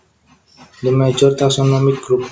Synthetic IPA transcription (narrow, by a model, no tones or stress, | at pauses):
dəmɛd͡ʒɔrt̪asɔnɔmik̚ɡɾup̚